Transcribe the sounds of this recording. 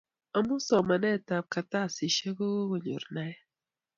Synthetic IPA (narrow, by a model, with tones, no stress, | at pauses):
a˦mʊ˦sɔ˨ma˨nɛ˦˨ta˨p̚ka˨ta˦˨si˨ʃe˦ɡo˦o˨ɲṵ˨ɾna˦ɛ˦